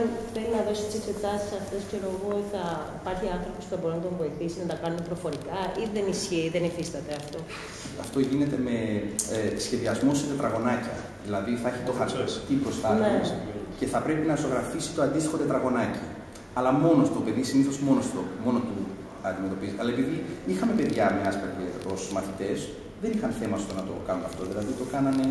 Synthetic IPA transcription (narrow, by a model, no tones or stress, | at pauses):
peɾinɐðo̞si̥t̪isekse̞t̪ɐsi̥sɐft̪e̞scoloɣoot̪iθɐipɐɾçiɐnθɾopospuθɐbo̞ɾinɐt̪oɱvo̞iθisinɐt̪ɐkɐnunepɾo̞fo̞ɾikɐiðe̞nisçiðenifist̪ɐt̪e̞ɐft̪o̞ | ɐ̰ft̪o̞ʝine̞t̪e̞me̞ | sçe̞ðiɐzmo̞set̪e̞t̪ɾɐɣo̞nɐcɐ̰ | ðilɐðiθɐeçit̪oxɐɾicipɾost̪ɐece̞θɐpɾe̞pinɐso̞ɣɾɐfisi̥t̪o̞ɐnd̪ist̪i̥xo̞t̪et̪ɾɐɣo̞nɐci | ɐlɐmo̞nost̪ope̞ðisiniθo̞zmo̞nost̪omo̞not̪u | ɐnd̪ime̞t̪o̞piziɐlɐepiðiixɐme̞pe̞ðʝɐmeɐspɐt̪eo̞smɐθit̪e̞s | ðe̞nixɐnθe̞mɐost̪onɐt̪o̞̰kɐnunɐft̪o̞ðilɐðit̪o̞kɐnɐne̞